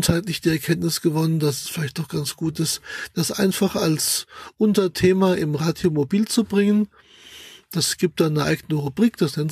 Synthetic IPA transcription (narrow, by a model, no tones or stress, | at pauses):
thaɪtlɪçd̥iːɛɐkʰɛntnɪsɡ̥əvɔnənd̥asɛ̥sfɪlaɪçtɔχɡ̥ant͡sɡ̥uːtɪstd̥asʔa̰ɪnfaχalsʔʊntɐtʰeːmaʔɪmʁaːdjomobiːlt͡subʁɪŋən | d̥asɡ̥iːp̚t̚d̥aːnəʔa̰ɪɡənəʁubʁiːkd̥asnɛn